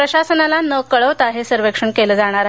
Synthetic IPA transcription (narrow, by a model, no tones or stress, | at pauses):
pɾəɕasənalanəkəɭəʋt̪aɦesəɾʋekʂəɳkeləd͡zaɽ̃aɾ